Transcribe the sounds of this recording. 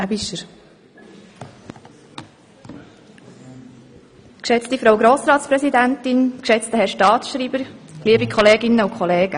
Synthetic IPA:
æbiʃəɾ | kʃɛt͡stifɾoʊɡɾoːsɾɑːtspɾɛsidæntɪnkʃɛt͡stəɦɛʃtɑːtsʃɾiːbəɾliəbikʰɔleːɡɪnːəukʰχɔleːɡ̥ə

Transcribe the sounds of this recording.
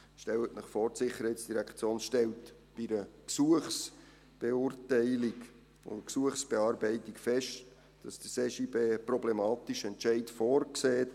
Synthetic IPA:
ʃtɛlətnɪχfɔːrtsɪχəɾhɛɪtsd̥iɾækʰt͡sjoːnʃtɛltb̥iɾəksuəχs | b̥eʊrtæɪlik | ʊ̰nksuəχsb̥eɑːɾbɛɪtikfɛʃt | d̥ɑsd̥əseːʃibeːproɔblemɑːtiʃɛntt͡ʃɛɪtfɔːrkseːt

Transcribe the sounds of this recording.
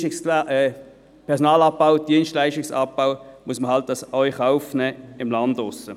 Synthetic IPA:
ɪs | pʰɛɐʁsɔnɑːlɑp̚b̥aʊd̥iənstlaɪʃtɪksɑ̰p̚b̥aʊmuəsməhɑlt̚dɑsɔʏjχaʊfnɛːɪmlɑndʊsə

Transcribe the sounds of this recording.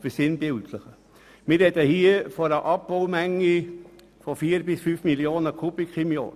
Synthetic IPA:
fəsɪnbɪltʰləχə | mɪɾɛdəhiːəfɔɾəʔɑb̚b̥oʊmæŋːi | fɔfiːəɾbɪsfyfmiljoːnəkʰubikχɪmjo̰ː

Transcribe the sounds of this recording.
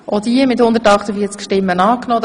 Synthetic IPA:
ʔod̥̪iəmɪthʊnd̪əɾtɑχt̪əfiːət͡skʃtɪmːənɑːknoː

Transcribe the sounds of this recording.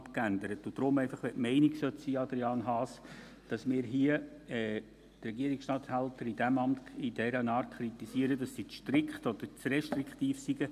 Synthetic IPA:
pkændəɾətʊd̥ɾʊmɛɪfɑχʋɛʔmɛɪniksœtsiːɑd̪ɾiɑːnɦɑːs | d̥ɑsmɪːɾɦiəɛ | t̪rɛɡiəɾiksʃtɑːthæltəɾid̥æmɑmtid̥ɛɾənɑːrtkʰɾit̪isiəɾəd̥ɑsːit͡sʃtɾɪkχtɔd̥̪əɾt͡srɛʃtrikχtiːfsiɡə

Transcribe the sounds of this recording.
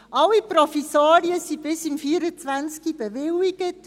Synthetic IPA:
ʔɑlːipɾɔfisaːɾiəsib̥ɪsimfiəɾət͡sʋænt͡skib̥ɛʋɪlːiɡət

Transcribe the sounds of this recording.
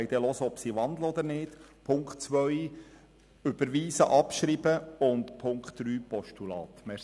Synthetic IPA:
jd̥̪ɛlɔsəɔpsiʋɑnd̪ləɔd̪əɾnɪːtpʰʊŋkχtt͡sʋœj | ʏb̥əɾʋiːsəʔɑpʃɾib̥əʊnt̪pʰʊŋkχtd̥ɾyːpɔʃtulɑ̰ːt̪mɛ

